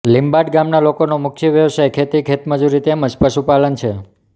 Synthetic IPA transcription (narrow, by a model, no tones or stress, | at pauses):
limbaɖɡamnalokonomʊk̚t͡ʃʰiʋjəʋsajkʰet̪ikʰet̪məd͡ʒuɾit̪eməd͡ʒpəʃupalənt͡ʃʰe